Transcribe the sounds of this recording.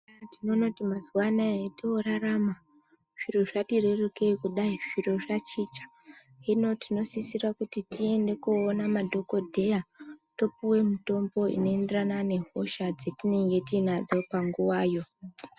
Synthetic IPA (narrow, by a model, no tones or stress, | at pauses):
tino̞no̞timazwanaetiuɾarama | ʐ̥iro̞ʐatirereke̞kuɗaiʐ̥iro̞ʐat͡ʃit͡ʃḁ | ino̞tino̞sisirakutitie̞nde̞koːnamadʱo̞ko̞dʱe̞jato̞puwe̞muto̞mbo̞ḭno̞enderanane̞ɦo̞ʃad͡ze̞tine̞ŋɡe̞tinad͡zo̞paŋɡuwaːjo̞